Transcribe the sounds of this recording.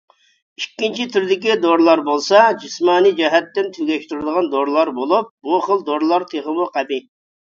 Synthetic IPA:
ikʲːint͡ʃʰit̪ʰyɾd̪ɪkʲid̪oɾlˠɑɾbolˠsɑd͡ʒismɑːnid͡ʒɛɦɛt̪ːɪnt̪ʰyɡʲɛʃt̪yɾɨd̪əʁɑnd̪oɾlˠɑɾbolˠup̚ːuχəlˠd̪oɾlˠɑɾt̪ʰeʁəmuqʰæbɪ

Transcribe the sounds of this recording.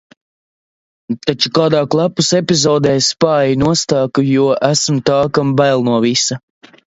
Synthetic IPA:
t̪at͡ʃukaːd̪aːklˠapusɛpʲizɔːd̪ɛːspaːjinuɔst̪aːkujuɔʔæsmt̪aːkambæjlˠnuɔvisɐ

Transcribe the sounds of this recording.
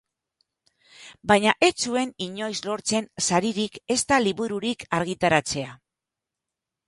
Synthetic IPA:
baɲaʔe̞t͡sue̞niɲo̞jzlo̞ɾt͡se̞nsaɾiɾike̞st̪aliβuɾuɾikaɾɣ̞it̪aɾat͡se̞a

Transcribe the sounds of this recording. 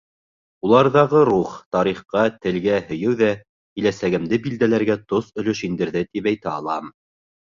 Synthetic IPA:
ulˠɑɾðɑʁɤɾuχt̪ɑɾiχqɑt̪ɘ̆lɡæhɵ̆jɘwðæ | kɘ̆læsæɡɘ̆md̪ɘbild̪ælæɾɡæt̪osɵ̆lɵʃind̪ɘ̆ɾðɘt̪ipæjt̪æɑlˠɑm

